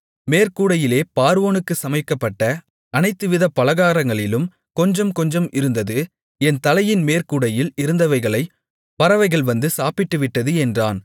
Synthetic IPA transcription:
meːɾkuːɽɐjɪleːpaːɾʋoːnɯkːɯsɐmɐɪkːɐpːɐʈːɐ | ɐnɐɪt̪ːɯʋɪðɐpːɐlɐɣaːɾɐŋɡɐɭɪlɯm | kɔɲd͡ʒɐmkɔɲd͡ʒɐmɪɾɯnd̪ɐðɯ | ɛnt̪ɐlɐjɪnmeːɾkuːɽɐjɪlɪɾɯnd̪ɐʋɐɪɣɐɭɐɪ | pɐɾɐʋɐɪɣɐɭʋɐnd̪ɯsaːpɪʈːɯʋɪʈːɐðɯɛndraːn

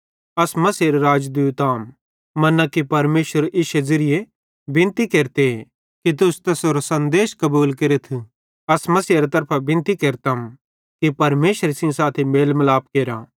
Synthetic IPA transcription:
ɐsmɐsiɾeɾaːd͡ʒd̪ujt̪aːm | mɐnãkipɐɾmeːʃəɾʔɪʃezɪɾɪje | bɪ̃nt̪ikeːɾt̪e | kit̪̬ʊst̪ɛsoːɾosɐ̃nd̪eːʃkɐbuːlkeɾet̪ʰu | ɐsmɐsiɐɾat̪ɐɾpʰabɪ̃nt̪ikeːɾt̪am | kipɐɾmeːʃwəɾesɪ̃saːt̪ʰemeːlmlaːp̚keːɾaː

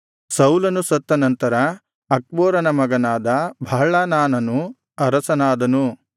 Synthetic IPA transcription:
sɐwlɐnusɐt̪ːɐnɐnt̪ɐɾɐ | ɐk̚boːɾɐnɐmɐɡɐnaːd̪ɐbʱɐɦɐɭaːnaːnɐnu | ɐɾɐsɐnaːd̪ɐnu

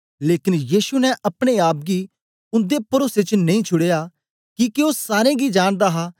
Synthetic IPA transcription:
leːkɪnjiːsunɛ̃ʔɐpɽ̃eaːp̚ɡi | ʊ̃nd̪epɐɾoːset͡ʃnɐ̃ĩːt͡ʃʰʊɽeːaː | kikeoːsaːɾẽːɡid͡ʒaːɽ̃d̪aːɦaː

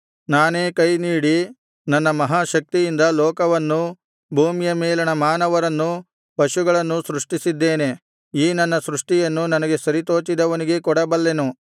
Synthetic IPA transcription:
naːneːkɐjniːɽi | nɐnːɐmɐɦaːʃɐk̚t̪ijind̪ɐlɔːkɐʋɐnːu | bʱuːmijɐmɛːlɐnɐmaːnɐʋɐɾɐnːu | pɐʃuɡɐɭɐnːusɾuʂʈisid̪ːeːne̞ | iːnɐnːɐsɾuʂʈijɐnːunɐnɐɡe̞sɐɾit̪o̞ːt͡ʃid̪ɐʋɐniɡe̞kɔɽɐbɐlːe̞nu

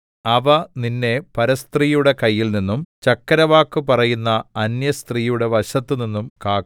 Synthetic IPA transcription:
ɐʋɐninːe̞pɐɾɐst̪riːjuɽe̞kɐjːilninːumt͡ɕɐkːɐɾɐʋaːkːɨpɐrɐjunːɐːnjɐst̪riːjuɽe̞ʋɐɕɐt̪ːɨninːumkaːk

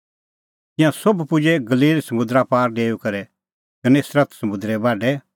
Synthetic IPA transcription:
t̪ɪ̃jãsobpʊd͡ʒɛɡɐliːlsɐmʊ̃d̪ɾapaːɾɖeːukɐɾɛ | kɐnesɾɐt̪ʰsɐmʊ̃d̪ɾɛbaːɖɛ

